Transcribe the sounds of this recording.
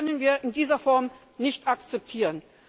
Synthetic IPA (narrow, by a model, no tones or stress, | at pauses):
œnənviːɐʔɪndiːzɐfɔɐm | nɪçtakt͡sɛp̚tʰiːʁən